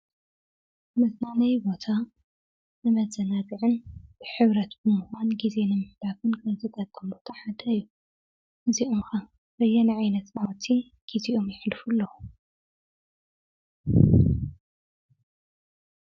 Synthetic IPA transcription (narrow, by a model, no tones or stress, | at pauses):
nɨznanajbo̞t̪ʰa | nɨmɐzɐnaɡɨʕɨnb̥ɨħɨβɾɐt̪bɨmuxʷanɡize̞nɨmɨħd̪afɨnkɐzɨk̪ʼɐdʼɐmbo̞t̪ʰaħad̪ɐɨjːu | ʔɨziʔomxa | bɐjːɐniʕajnɐt̪nawt̪ʰi | ɡ̥iziʔomjɪħlfulːɐu